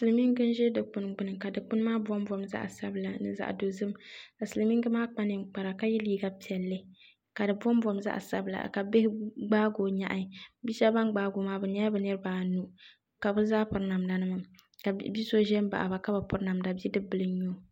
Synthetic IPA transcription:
sɨ˨lɨ˨mi˦ŋ˦ɡɨ˦n˦ʒɛ˦dɨ˨k͡pʊ˨nɡ͡bɨ˨nɨ˨ka˨dɨ˨k͡pʊ˦n˦maː˦bɔ˦mbɔ˦mza̰˦ʔsa˦bla˨nɨ̰˨za̰˦ʔdo˨zɨ˦mka˨sɨ˨lɨ˨mi˦ŋɡɨ˦maː˦k͡pa˦nɨ˨ŋ͡mk͡pa˨ɾa˨ka˦jɛ˦liː˦ɡa˦pi˨ɛ˨lːɨ˦ | ka˨dɨ˨bɔ˦m˦bɔ˦mza̰˦ʔsa̰˦bla̰˨ka˨be˦hɪ˦ɡ͡baː˦ɡoː˨ɲa˦ʔa˨bi˦ʃɛ˦ba˦nɡ͡baː˦ɡo˨maː˦bɛ˨ɲɛ˦bɛ˨nɨ˦ɾɨ˦baː˨nu˦ | ka˨bɨ˦zaː˦pʊ˨ɾna˨mda˨nɨ˦ma˦ | ka˨bi˦so˦ʒɛ˦m˦ba̰˨ʔba˨ka˦ba˨pʊ˦ɾna˨mda˨bi˦dɨ˦bɨ˨lɨ˦ɲo˦˨

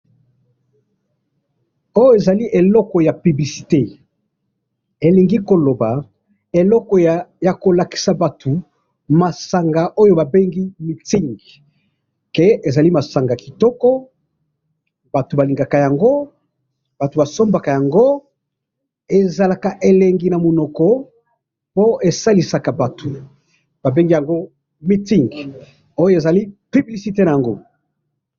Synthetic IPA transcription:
o˦jo˦e˨za˨li˦ʔe˨lɔ˦kɔ˨ja˨py˨bli˨si̥˨te˦ | e˨li˨ŋɡi˦ko˨lo˨ba˨ | e˨lɔ˦kɔ˨ja˨ko˨la˨ki̥˨sa˨ba˨tʰu˨ | ma˨sa˨ŋɡa˨ʔo˦jo˦ba˨be˦ŋɡi˦mi˨ti˦ŋɡ | ke˨e˨za˨li˦ma˨sa˨ŋɡa˨ki˨tɔ˦kɔ˦ | ba˨to˨ba˨li˨ŋɡa˨ka˨ja˨ŋɡo˦ | b̥a˨to˨ba˨so˦mba˨ka˨ja˨ŋɡo˦ | e˨za˨la˨ka˨ʔe˨le˨ŋɡi˨na˨mo˨nɔ˨kɔ˨ | po˦e˨sa˦li˨sa˨ka˨ba˨to˨ | b̥a˨be˦ŋɡi˦ja˨ŋɡo˦ | mi˦ti˦ŋɡ | o˦jo˦e˨za˨li˦py˨bli˨si˨te˦na˨ja˨ŋɡo˦

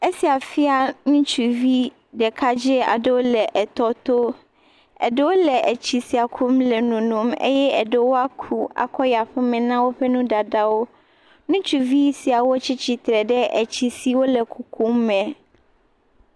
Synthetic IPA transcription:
e˦si˨a˨fi˦a˦nũ˦t͡ʃu˨vi˦ | ɖɛ˨kʰa˦d͡ʑɪ˦a̰˨de˦wo˦lɛ˨ʔɛ˨t̪ɔ˦t̪o˦ | ɛ̰˨de˦wo˦lɛ˨ʔɛ˨t͡ɕʰi˨si˨a˨kʰu˦mlɛ˨nũ˨nũ˨mḛ˦jɛ˦ɛ˨de˨wo˦a˦kʰu˨a̰˨kʰɔ˦ja˨ɸɛ˦mɛ̃˨nã˦wo˦ɸɛ˦nũ˦da˨da˦wo˦ | nũ˦t͡ɕu˨vi˦jsi˨a˨wo˦t͡ɕʰɪ˦t͡ɕʰi˨t̪ɾɛ˨ɖɛ˦ʔɛ˨t͡ɕʰi˨si˨wo˦lɛ˨kʰu˨kʰu˦mːɛ̃˨

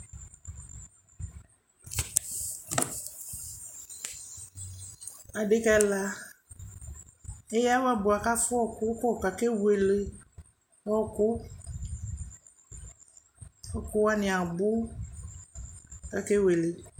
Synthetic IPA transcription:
a˨ɖe˦kɛ˦la˦ | e˦ja˦wa˦bʊ˨a˨ka˦fʊ˦ɔ˦kʊ˦pɔ˦˨ka˨ke˦we˨le˨ | ɔ˦kʊ˦ | ɔ˦kʊ˦wa˦nɪ̃˨a˨bʊ˦˨ | ka˨ke˦we˨le˨

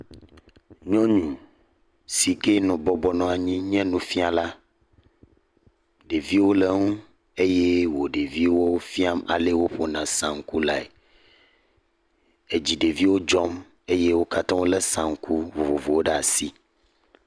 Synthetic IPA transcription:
ɲɔ̃˦ɲũ˨ | si˨ke˦nɔ̃˨bɔ˦bɔ˦nɔ̃˨a˨ɲĩ˦ɲ˦ɛ̃˦nũ˦fi˦a˨la˦ | ɖe˨vi˦wo˦le˨ŋũ˦ | e˦je˦wo˨ɖe˨vi˦wo˦fi˦a˦ma̰˨le˦wo˦ɸo˨nã˨sã˨ŋ˨˦ku˦la˨ḛ˨ | e˨d͡ʑi˨ɖe˨vi˦wo˦d͡ʒɔ˦m | e˦je˦wo˦ka˦t̪ã˦wo˦lɛ˦sã˨ŋ˨˦ku˦vo˨vo˨vo˨wo˦ɖe˦˨a˨si˦

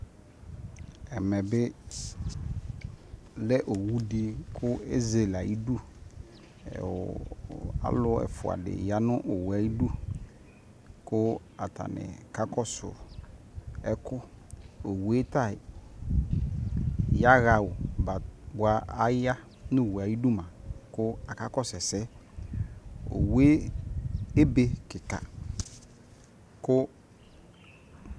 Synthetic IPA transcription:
ɛ˨mɛ˨bɪ˦ | lɛ˦ʔo˨wu˦di˦kʰʊ˦e˦ze˨la˨ji˦du˦˨ | a̰˦lʊ˦ɛ̰˨fʊ̰˨a̰˨dɪ̰˨ja˦nʊ̃˦ʔʊ˨wa˨i˦du˦ | kʊ˦ | a˨tʰa̰˨nɪ̰˨ka˦kɔ˦sʊ̰˨ | ɛ˦kʊ˦o˨we˦ta˦˨ | ja˦ɣa˨wʊ˨ba˨bʊ˨a˦a˦ja˦ | nʊ̃˦˨wa˨ji˦du˦mã˨kʊ˦a˨ka˦kɔ˦sɛ˨sɛ˦ | o̰˨we˦ | e˦be˨kɪ˨ka̰˨ | kʊ˦

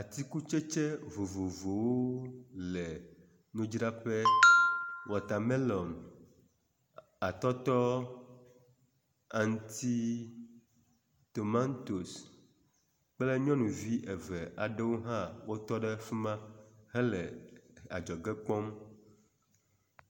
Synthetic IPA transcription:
a˨t̪i˦ku˦t͡ʃe˦t͡ʃe˦vo˨vo˨vo˨wo˦lɛ˨ | nũ˦d͡ʒɾa˦ɸɛ˦ | wɔ˨t̪a˨mɛ˦lɔ˨m | a˨t̪ɔ˦t̪ɔ˦ | a˨ŋ˦t̪i˦ | t̪o˨mã˦nt̪o˨s | k͡plɛ˦ɲɔ̃˦nũ˨vi˦ʔe˨vɛ˨ʔa˨ɖɛ˦wo˦ɦã˦wo˦t̪ɔ˦ɖɛ˦fe˦mã˦ɦɛ˦lɛ˨a̰˨d͡ʒɔ˨ɡɛ˦k͡pɔ˦m

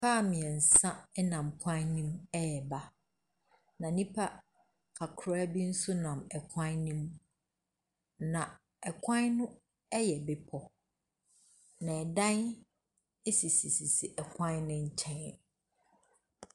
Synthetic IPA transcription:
faː˦˨mĩ˨ɛ̃˨n̩˨sã˦ɛ˦nã˨mpʰã˦nĩ˦mɛ˦jɛ˨ba˨ | nã˨nĩ˦pʰa˦ | kʰa˨kʰɾɛ˦bi˦n̩˦sʊ˦nã˨mɛ˨kʷʰã˦nnĩ˦m | nã˨ | ɛ˨kʷʰã˦nnʊ̃˦ | ɛ˦jɛ˨be˨pʰɔ˨ | nã˨ɛ˨dã˦n | e˦si˨si˨si˨si˨ʔɛ˨kʷʰã˦nʊ̃˦ɲ̩˦t͡ɕʰɛ̃˦˨

